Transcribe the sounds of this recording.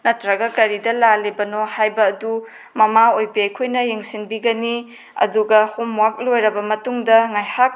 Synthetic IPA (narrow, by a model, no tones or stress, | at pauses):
nɐtɾɐɡɐkɐɾidɐlalebɐnohajbɐːdu | mɐmaojpejkʰojnɐjeŋsinbiɡɐni | ɐ̰duɡɐhomwak̚lojɾɐbɐmɐtuŋdɐŋajhak̚